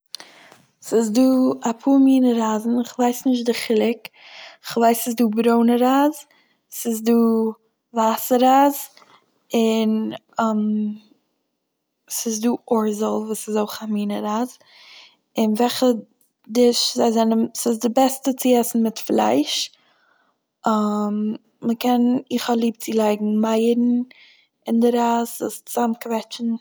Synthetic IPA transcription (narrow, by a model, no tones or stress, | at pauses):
sɪzduːapʰuːmiːnəɾaːzn̩ɪχvaɪsnɪʃ̬t̚dɪχɪlˠɪkɪχvaɪsɪsduːbɾoʊnəɾaːz | sɪzduː | vasəɾaːz | ɪn | m | sɪzduːʔɔɹzəlˠvuːsɪzoɪχamiːnəɾaːz | ɪnvɛχə | dɪʃzaɪzɛnəmsɪz̬dɪbɛstət͡sɪɛsn̩mɪtflˠa̰ɪʃ | am | məkɛnɪχalˠiːp̚t͡sɪlˠaɪɡŋ̩maɪɾn̩ | ɪndɪɾaːzust͡samkvɛt͡ʃn̩